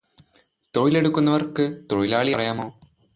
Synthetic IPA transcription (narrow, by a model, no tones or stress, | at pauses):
t̪oːjile̞ɽukːunːɐʋɐrkɨt̪roːjilaːɭijɐrɐjaːmo̞ː